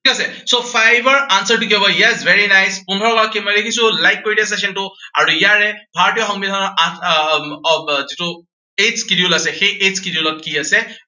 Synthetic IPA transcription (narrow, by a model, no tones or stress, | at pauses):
tʰikasɛsopʰajbɔɹansəɹtuk̬iɦɔbɔijazvʱeɹinajspundʱɔɹɔkaɹakːemɔjlekʰisʊ̃lajk̚koɹidias̬ɛsɔntʊa̰ɹuijaɹɛpʰaɹɔtijɔxɔŋmidʱɔnɔɹa | zitʊ | ezkidiulasɛxejʔezkidiulɔt̚kiasɛ